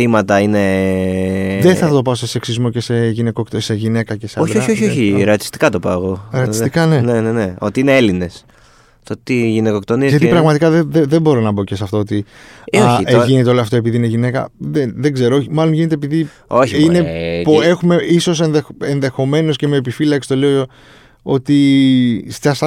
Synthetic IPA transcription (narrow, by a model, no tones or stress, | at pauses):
θimɐt̪ɐine | ðeθɐt̪o̞pɐost̪eseksizmo̞ce̞se̞ʝinekokt̪seʝine̞kɐceseɐoçdɾoɐioçioiɾeɐt̪i̥st̪i̥kɐt̪opɐɣoɾɐt̪ist̪ikɐne̞neneneo̞̰t̪iineeline̞s | t̪ot̪iʝinekok̚t̪oniʝɐt̪iipɾɐɣmɐt̪ikɐðeðeðebo̞ɾo̞nɐbo̞cesɐft̪oot̪ioçiʝinet̪eoloɐft̪o̞e̞piðine̞ʝine̞kɐ̰ðenðeɡze̞ɾooçimɐlo̞nʝine̞t̪̬ep̬iði | oçiinepe̞xume̞iso̞se̞nðexenðe̞xo̞me̞no̞sce̞me̞ːpifilɐksi̥t̪o̞le̞oo | o̞t̪i | st̪çɐsɐ